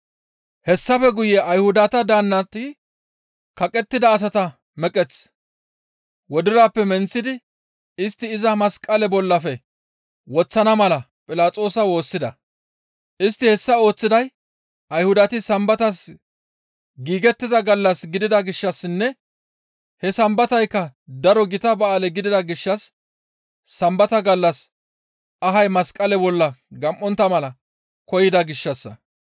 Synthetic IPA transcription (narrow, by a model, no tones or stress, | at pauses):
hɛsːɐfɛɡʊjɛʔɐjhʊd̪ɐt̪ɐd̪aːnːɐt̪ɪ | kɐkʼɛt̪ːɪd̪ɐːs̬ɐt̪ɐ | mɛkʼɛt͡s | wɔd̪ɪɾaːpːɛmɛnt͡sːɪd̪ɪ | ɪst̪ːɪːzɐmɐskʼɐlɛbɔlːɐfɛ | wɔt͡sːɐnɐmɐlɐ | pʼɪlaːt͡sʼo̞ːsɐwo̞ːsːɪd̪ɐ | ʔɪst̪ːɪhɛsːɐo̞ːt͡sːɪd̪ɐj | ʔɐjhʊd̪ɐt̪ɪsɐmbɐt̪ɐs | ɡiːɡɛt̪ːɪzɐɡɐlːɐsɡɪd̪ɪd̪ɐɡɪʃːɐsːɪnːɛ | hɛsɐmbɐt̪ɐjkːɐd̪ɐɾɔɡɪt̪ɐbɐaːlɛɡɪd̪ɪd̪ɐɡɪʃːɐsː | ɐmbɐt̪ɐɡɐlːɐs | ɐɦɐjmɐskʼɐlɛbɔlːɐɡɐmʔːɔnt̪ːɐmɐlɐ | kɔjɪd̪ɐɡɪʃːɐsːɐ